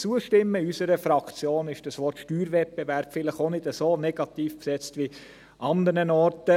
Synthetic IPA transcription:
t͡suəʃtɪmːəysəɾəfɾɑkʰt͡sjoːnɪʃd̥əsʋɔɾtʃtyːɾvɛp̚bɛvæɾb̥fɪləχonɪdəsoːnɛɡ̥ɑt̪iːfpsɛt͡stʋi | ʔɑnd̪əɾnənɔɾtə

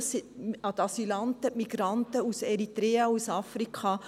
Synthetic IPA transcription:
siɑt̪ɑsilɑnt̪əmiɡ̥ɾɑnt̪əusɛɾit̪ɾɛːɑusɑfɾikχɑ

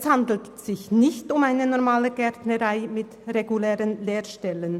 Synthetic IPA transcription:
shandl̩tz̥ɪçnɪçtʊmaɪnənɔʁmaːləɡɛʁtnəʁaɪmɪtʁeɡulɛːʁənleːʁʃtɛlən

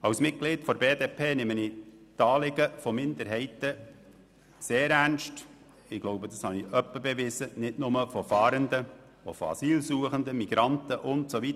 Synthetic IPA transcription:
ɑwsmɪt̚ɡ̥lɪːtfɔɾbeːdeːpʰeːnɪmənitɑːlɪɡəfɔmɪnd̪əɾɦɛɪtə | seːɾænʃt | ɪɡ̥loʊbəd̪ɑshɑniʔœpːəbɛvɪzənɪdnʊməfɔfɑːɾəndə | o̰fo̰ɑ̰siːlsuəχəndəmiɡ̥ɾɑntəʔʊntsovit̪

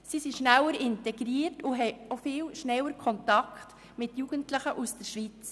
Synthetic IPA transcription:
sisiʃnæwəɾɪntɛɡɾiːətʊɦɛjofɪːlʃnɛwəɾkʰɔntɑkχt | mɪtjuɡ̥əntlɪχəʔusd̥əɾʃʋit͡s

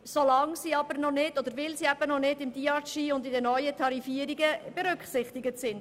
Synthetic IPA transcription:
solɑŋsiːɑbəɾnɔnɪd̥ɔd̥̪əɾvɪlsiːæb̥ənɔnɪdɪmd̥iɑʃiːʊndɪdənœʏətʰɑɾifiːəɾiɡəb̥eɾʏkχsɪχtɪɡətsɪnd

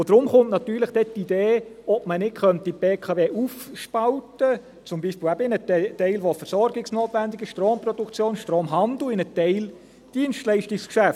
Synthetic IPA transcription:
od̥̪ɾʊmχʊntnɑt̪yːləχd̥ɛtːid̥̪eːɔb̥̚mənɪkχœnt̪ːibeːkʰɑʋeːʔufʃpɑltə | t͡sʊmbiːʃpiːlæbəɪnəttːɛɪlʋofɛɾsɔɾɡɪksnoːt̪ʋænd̪ɪɡɪʃtɾoːmprɔd̥̪ukt͡sjoːnʃtɾoːmɦɑndl̩ɪnətɛɪl | d̥iənstlɛɪʃtɪkskʃæft

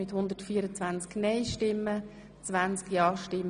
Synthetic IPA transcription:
ɪt̪hʊnd̪əɾtfiːəɾət͡sʋant͡sknɛɪʃtɪmːə | t͡svant͡skjɑːʃtɪm

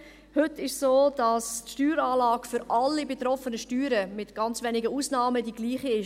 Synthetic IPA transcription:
hʏtɪʃsoːd̥ɑstʃtyːɾaːlɑːɡfʏɾʔɑlːibetɾɔfənəʃtyːɾəmɪtɡ̥ɑnt͡svɛnɪɡəuːsnɑːmədiɡ̥liːχiɪʃ

